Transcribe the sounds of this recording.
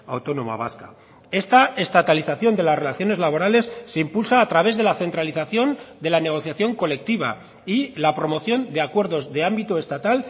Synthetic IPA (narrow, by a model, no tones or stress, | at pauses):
awt̪o̞no̞ma̰βa̰ska | e̞st̪ae̞st̪at̪aliθaθjo̞nd̪e̞lasre̞laθjo̞ne̞zlaβo̞ɾale̞sːe̞impulsaːt̪ɾaβ̞e̞zðe̞laθe̞nt̪ɾaliθaθjo̞nd̪e̞lane̞ɣ̞o̞θjaθjo̞ŋko̞le̞k̚t̪iβ̞a̰ | ilapɾo̞mo̞θjo̞nd̪e̞akwe̞ɾðo̞zðe̞ambit̪oe̞st̪at̪al